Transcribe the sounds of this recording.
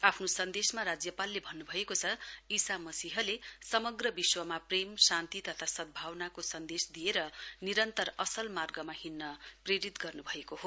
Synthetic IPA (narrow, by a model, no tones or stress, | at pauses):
apʰnosʌnd̪esmaɾad͡zjʌpalːebʱʌnːubʱʌekot͡sʰʌisamʌsiɦʌlesʌmʌɡrʌbiswʌmapremsant̪it̪ʌt̪ʰasʌd̪̚bʱawnakosʌnd̪esd̪ijeɾʌniɾʌnt̪ʌrʌsʌlmarɡʌmahinːʌpreɾit̪ɡʌrnubʱʌekoɦo